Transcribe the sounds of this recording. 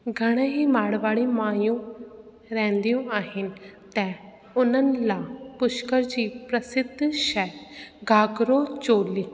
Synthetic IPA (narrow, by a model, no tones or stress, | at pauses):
ɡʱəɽ̃ẽːɦiːmaːɽʋaːɭimaːjũ | ɾɛ̃ːnd̪ijũːʔaːɦɪnɪ̆t̪ɛ̃ː | ʊnənlãːpʊʃkəɾd͡ʒiːpɾəsɪd̪ʱːʃɛːɡʱaːɡɾoːt͡ʃoːliː